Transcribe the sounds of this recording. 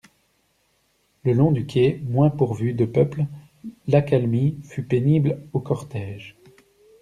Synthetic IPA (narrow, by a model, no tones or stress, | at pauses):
ləlɔ̃d̪ykʲʰemwɛ̃puʁvyd̪əpœpl | lakalmifypeniblokɔʁt̪ɛːʒ